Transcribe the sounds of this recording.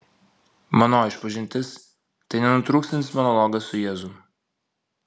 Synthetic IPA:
mɐnoːɪʃpɐʒʲɪnʲt̪ʲɪs | t̪ɐɪnʲɛnʊt̪ɾuːkst̪ʲɪnsmɔnɔlˠɔɡɐsːʊjɛːzʊ

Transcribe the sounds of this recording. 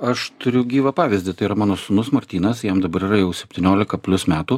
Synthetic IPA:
ɐʃt̪ʊɾʲʊɡʲiːʋɐpɑːʋʲɪzʲd̪ʲɪt̪ɐɪiːɾɐmɑːnoːsʊnʊsmɐɾʲt̪ʲiːnɐsjɛmd̪ɐbɐɾiːɾɐjɛʊsʲɛpʲt̪ʲiːnʲoːlʲɪkɐpʲlʲʊsmʲæːt̪uː

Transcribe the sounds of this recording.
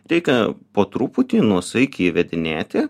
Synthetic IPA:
ɾʲɛɪkʲɛpoːt̪ɾuːpʊt̪ʲiːnuɔsɐɪkʲiʋʲɛd̪ʲɪnʲeːt̪ʲɪ

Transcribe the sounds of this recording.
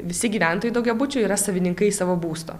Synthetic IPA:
ʋʲɪsʲɪɡʲiːʋʲæˑnt̪oːjɛɪd̪ɐʊɡʲɛbʊt͡ʃʲʊiːɾɐsɐʋʲɪnʲɪŋkɐɪsɑːʋoːbuːst̪o̰ː

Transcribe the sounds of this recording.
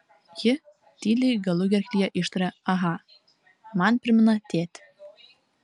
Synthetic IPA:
jɘ | t̪iliɡəluɣʲerkʲlʲijɑʔiʃt̪ɾɑɑɦɑ | mɑnpə̆rʲmənɑt̪et̪

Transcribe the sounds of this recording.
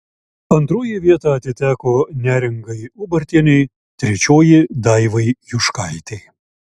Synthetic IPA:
ɐnt̪ɾoːjɪʋʲiɛt̪ɑɐt̪ʲɪt̪ʲæːkoːnʲæːɾʲɛŋɡɐɪʊbɐɾʲt̪ʲiɛnʲɛɪ | t̪ʲɾʲɛt͡ʃʲoːjɪd̪ɑɪʋɐɪjʊʃkɑɪt̪ʲeɪ

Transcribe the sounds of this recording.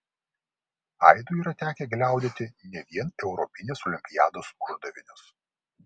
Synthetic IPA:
ɐ̰ɪd̪ʊˑiːɾɐt̪ʲæːkʲɛɡlʲæˑʊd̪ʲeːt̪ʲɪnʲɛʋʲiɛnɛʊɾɔpʲɪnʲeːsɔlʲɪmʲpʲɪjæːd̪oːsʊʒd̪ɐʋʲɪnʲʊs

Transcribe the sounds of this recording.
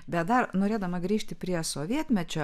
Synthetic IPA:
bʲɛt̪̚d̪ɐrnoːɾʲeːd̪ɐmɐɡɾʲiːʃʲt̪ʲɪpʲɾʲiɛsoːʋʲiɛt̪ʲmʲɛt͡ʃʲoː

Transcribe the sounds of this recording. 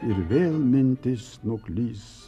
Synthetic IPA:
iɾʋeːlmint̪is | noklʲiːs

